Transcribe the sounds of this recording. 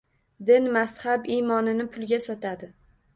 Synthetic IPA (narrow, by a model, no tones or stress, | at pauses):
d̪ɪnmashabimɒnɪnɪpʰʊlˠɡʲasɒt̪ʰad̪ɪ